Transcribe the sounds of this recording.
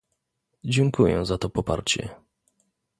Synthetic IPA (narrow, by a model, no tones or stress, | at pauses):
d͡ʑɛŋkujɛ̰̃zat̪ɔpɔpa̰ɾt͡ɕɛ̰